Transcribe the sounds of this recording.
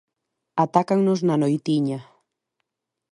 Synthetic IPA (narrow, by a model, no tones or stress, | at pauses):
at̪akaŋnʊznanojt̪iɲa